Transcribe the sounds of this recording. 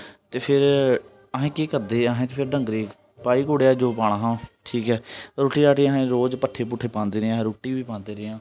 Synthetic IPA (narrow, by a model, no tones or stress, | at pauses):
t̪eːpʰɪɾ | əɦẽːkiːkəɾd̪eːəɦẽːt̪eːpʰɪɾɖə̃ŋɡɾeːk | paːiːkoːɽeːaːd͡ʒoːpaːɽ̃aːɦãːʈʰiːkɛːɾoːʈiːɾaːʈiːəɦẽːɾoːd͡ʒpəʈʰːeːpʊʈʰːeːpãːnd̪eːɾɪãɾoːʈiːʋiːpãːnd̪eːɾɪjãː